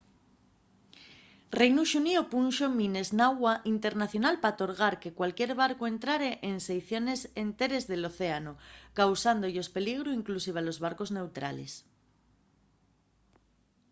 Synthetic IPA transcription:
rejnuʃuniopunʃomine̞znawaʔint̪e̞ɾnaθjo̞nalpat̪o̞ɾɣ̞aɾke̞kwalkje̞ɾβ̞aɾkoe̞nt̪ɾaɾeʔensejθjo̞ne̞sent̪e̞ɾe̞zðeloθe̞anokawsand̪oʎospe̞liɣ̞ɾuiŋklusiβ̞alo̞zβ̞aɾko̞zne̞wt̪ɾa̰le̞̰s

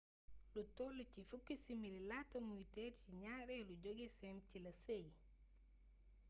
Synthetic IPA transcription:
lutɔlucifukːisimililatomujtɛɾciɲaːɾɛluɟoɡisɛmcilɐsej

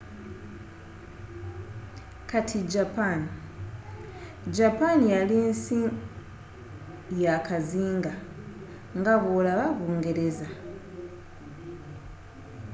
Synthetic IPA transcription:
katʰiɟapani | ɟapanijalinsi | jakaziːŋɡa | ŋɡaβolaβaβuːŋɡe̞ɾe̞za

